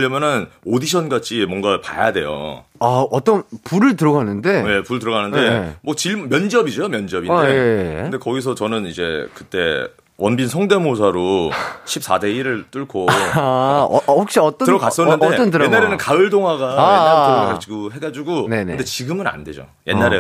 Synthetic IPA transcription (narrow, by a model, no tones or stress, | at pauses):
ʎːʌmjʌnɯnodiɕ̬ʰʌnɡat͡ɕʰimwʌŋɡapa̰ja̰de̞̰jo̰ | aʌt͈ʌnpuɾɯɭtɯɾʌɡanːɯnde̞je̞puɾɯɭt̬ɯɾʌɡanɯnde̞mwʌt͡ɕiɭmmjʌnd͡ʑʌbid͡ʑoomjʌnd͡ʑiʌbindeɯndekʌɡis̬ʰʌt͡ɕʌnɯnid͡ʑe̞̰kɯt͈e̞̰ | wʌnbinsʰʌŋde̞mos̬ʰaɾoɕʰip̚s͈ade̞iɾɯɭt͈uɭkʰo | hok̚ɕ͈iʌt͈ʌtɯɾʌk͈as͈ʌnːɯneʌntɯɾenːaɾenɯnkaɯɭdoŋɦwaɡaaaokʰakt͡ɕiɡuɦe̞ɡad͡ʑiɡonenɯdet͡ɕiɡɯmɯna̰nde̞d͡ʑo̰ | jenːaɾe